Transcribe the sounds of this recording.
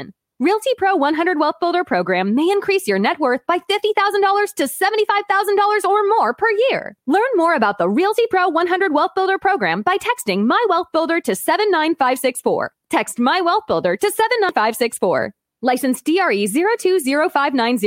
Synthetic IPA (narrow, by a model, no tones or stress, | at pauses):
n | ɹilˠtʰipʰɹ̥oʊwʌ̃nɦʌ̃ndɹəd̚wɛlˠθb̥ɪlˠdə˞pʰɹ̥oʊɡɹæ̃mːeɪɨ̃nkʰɹ̥isjə˞nɛt̚wɜ˞θ̚b̥aɪfɪftiθaʊzə̃n̩dɔlˠə˞z̥tʰɨsɛvə̃ntifaɪv̥θaʊzə̃n̩dɔlˠə˞zə˞mɔɹpʰə˞jɪɹlɜ̃˞nmɔɹɨbaʊt̪̚ðəɹilˠtipʰɹ̥oʊwʌ̃nɦʌ̃ndɹəd̚wɛlˠθb̥ɪlˠdə˞pʰɹ̥oʊɡɹæ̰̃mbaɪtʰɛkstɪ̃ŋmaɪwɛlˠθb̥ɪlˠdə˞ɾɨsɛvɨ̃nːãɪ̃nfaɪv̥sɪksfɔ̰ɹtʰɛkst̚maɪwɛlˠθb̥ɪlˠdə˞ɾɨsɛvɨ̃nːãfaɪv̥sɪksfɔ̰ɹ | laɪsɨ̃n̩sd̥iɑɹizɪɹoʊtʰʉzɪɹoʊfaɪvnãɪ̃nz